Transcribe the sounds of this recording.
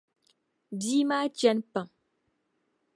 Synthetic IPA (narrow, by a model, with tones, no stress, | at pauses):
biː˦maː˦t͡ʃɛ˦npa˨ŋ